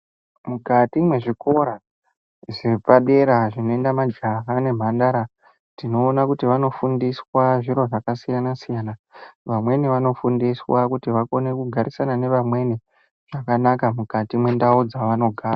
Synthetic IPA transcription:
mukatimwe̞ʐiko̞ɾa | ʐepaɗe̞ɾaʐino̞e̞ndamad͡ʒaɦane̞m̤andaɾa | tino̞ːnakutiʋano̞fundiswaʐiɾo̞ʐakasijanasijanaʋamwe̞niʋano̞fundiswakutiʋako̞ne̞kuɡʱaɾisanane̞ʋamwe̞ni | ʐ̥akanakamukatimwe̞ndaud͡zaʋano̞ɡʱaːra

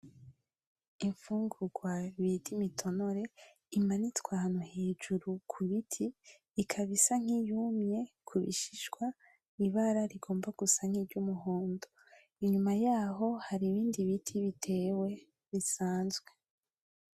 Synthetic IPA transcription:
iɱfuːŋɡuɡwaβidimitʰo̞noɾe̞ | imanitwahanoheːd͡ʒuɾukʰuβitʰiː | kʰaβisaŋ̥ijumɲe̞ | kʰuβḭʃiʃɡwa | iβaɾaɾiɡo̞ːmbaɡ̥usaŋ̥hiɟumuɦoːndo | iɲumajaːɦo̞haɾiβiːndiβitʰiβitʰe̞ːwe̞ | βisaːnzɡwe̞

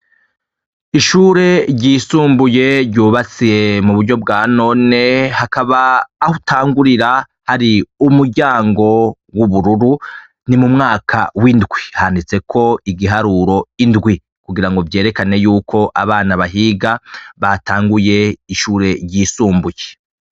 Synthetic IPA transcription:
iʃuːɾe̞ɾɟiːsuːmbuje̞ɾɟuːβat͡sije̞muβuɾɟo̞b̚ɡaːno̞ːne̞hakaβaːhutʰaːŋɡuɾiɾa | haɾiumuɾɟaːŋɡo̞ | wuβuɾuɾu | nimumŋaːkʰa̰windɡwihandit͡se̞kʰo̞iɡiɦaɾuːɾo̞indɡwi | kuɡiɾaŋɡo̞vje̞ːɾe̞kane̞juːkʰo̞ʔa̰βaːnaβaɦiːɡaβatʰaːŋɡuje̞iʃuːɾe̞ɟiːsuːmbuje̞

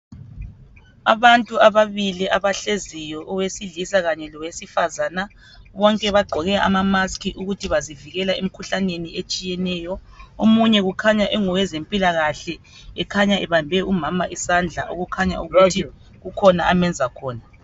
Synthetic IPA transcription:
a̰βantʼuaβaβiliʔaβaɬezijɔʔɔwesiɮisaɣaɲɛlɔwesifazaːna | βɔŋkʼɛβaɡ͡ǃʱɔɣɛʔa̰mamaskʰiʔuɣutʰiβaziviɣɛlaem̩kʰuɬaneniet͡ʃʼijɛnɛːjɔ | omuɲɛɣukʰaɲaʔɛŋɔwɛzempʼilaɣaɬɛ | ɛkʰaɲaʔɛβambʱɛumamaʔisand͡ɮʱa̰ʔoɣukʰaɲa̰ʔuɣutʰi | ɣukʰɔnaamɛnd͡zʱakʰɔːna

